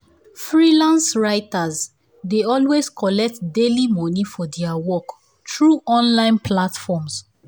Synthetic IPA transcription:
fɹilãnsɹaɪtaz | deɔlwezkʰɔlɛk̚tdelimɔnifɔdɛawɔk | tɹuʔɔ̃nlãɪ̃npʰlatfɔms

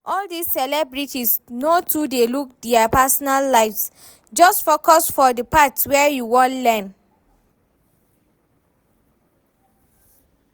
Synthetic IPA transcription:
ʔɔldisːɛlɛbɹitisnotʰudeluk̚dɛapasɔnalːaɪfs | d͡ʒɔstfokɔsfɔdəpatwɛjuwɔ̃ntlɛ̃m

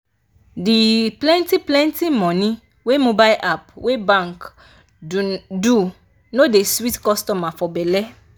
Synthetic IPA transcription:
diplɛ̃ntiplɛ̃ntimɔ̃nĩ | wemobajʔapwebãŋk | du | nodeswitkɔstɔmafɔbɛlɛ

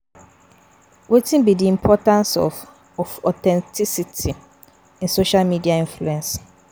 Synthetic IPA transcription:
wetĩnbidiĩmpʰɔtãnsɔ̰f | ɔfɔtɛ̃ntʰisitʰi | ĩnsoʃalmidiaĩnfluɛ̃ns

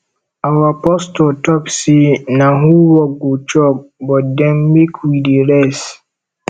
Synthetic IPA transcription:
awapʰɔstɔtʰɔpsenãɦuwɔɡot͡ʃɔk̚bɔt̚dɛ̃nːekʰwideɾɛs

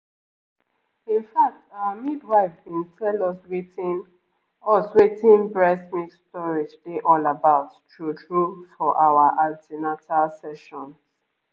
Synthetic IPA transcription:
ĩnfak̚tawamidwaɪfkɛ̃ntʰɛlɔswetĩn | ɔswetĩnbɹɛsmitstɔɹitdeʔɔlabaʊttutɹufɔʔawaʔaltinatalsɛʃɔ̃n

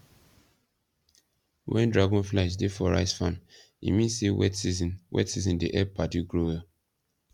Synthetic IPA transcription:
wʔɛ̃ndɹaɡɔ̃nflaɪʃdefɔɹa̰ɪsfãn | ḭmĩnsewɛ̰tsizĩnwɛ̰tsizɔ̃ndeʔɛpaduɡɹowɛ

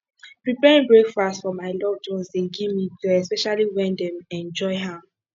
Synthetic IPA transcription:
pɹipɛɹĩŋbɹekfastfɔmaɪlɔvd͡ʒõnsteɡivmituɛspɛʃaliwɛ̃ndɛ̃mɛ̃nd͡ʒɔɪɦa

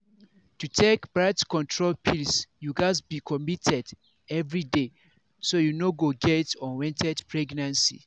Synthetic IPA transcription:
tutʰekb̥ɹaɪtkɔ̃ntʰɹolpʰilsjuɡazbikʰɔmitʰɛd | ɛvɹide | sojunoɡoɡɛtɔ̃nwɛ̃ntʰɛdpʰɹɛɡnãnsḭ

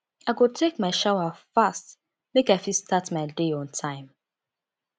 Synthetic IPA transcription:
aɪɡotʰekmaɪʃawafast | mekaɪfistʰatmaɪdeɔ̃ntʰãɪ̃m

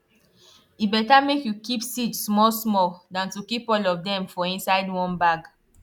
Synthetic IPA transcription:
ibɛtamekjukipsidsmɔsmɔldãntukipɔlɔvdɛ̃mfɔĩnsaɪdwɔ̃nbaɡ

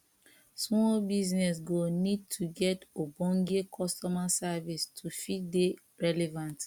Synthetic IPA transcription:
smɔbiznɛs̬ɡonid̚tʰuɡɛtobɔ̃ŋɡekʰɔstɔmasavistʰufide | ɹɛlɛvãnt

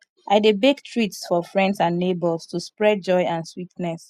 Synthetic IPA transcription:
ʔaɪdebektʰɹitsfɔfɹɛ̃ndsãnːebɔstuspɹɛd̚d͡ʒɔjãnswitnɛs

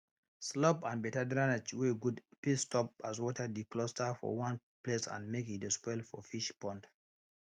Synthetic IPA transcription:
slɔpãnbɛtadɹanɛt͡ʃweɡudpistɔp̚aswɔtʰədiklɔstafɔ̰wãn | plesã̰nmekitespɔɪlfɔfiʃpɔ̃nt

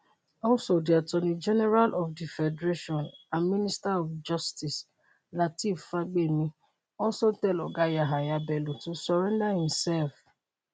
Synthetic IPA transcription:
ɔlsodiatɔnĩd͡ʒɛnɛɾalʔɔfdifɛdɾeʃɔ̃namĩnistaɔfd͡ʒɔstis | latifaɡ͡bemĩ | ɔsotɛlɔɡajaɦajabɛlutusɔɾɛ̃ndahĩmsɛlf

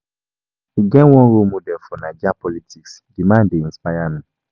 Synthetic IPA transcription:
iɡɛ̃wɔ̃ɾomõdɛfɔnãd͡ʒapɔlitiks | ɡimãːdeĩspajamĩ

